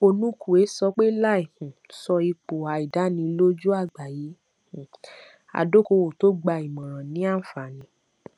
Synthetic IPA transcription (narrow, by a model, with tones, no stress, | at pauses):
o˧nũ˦kʰu˨e˨˦sɔ˧k͡pe˦la˦i˦˨hũ˨sɔ˧i˧k͡po˨a˨i˨da˨˦nĩ˧lo˦d͡ʒu˦a˦˨ɡ͡ba˨ji˨˦ | h | a̰˨do˦ko˧wo˨to˦ɡ͡ba˧i˨mɔ̃˨ɾ̃ã˨nĩ˨˦a˦˨fa˨nĩ˨˧˦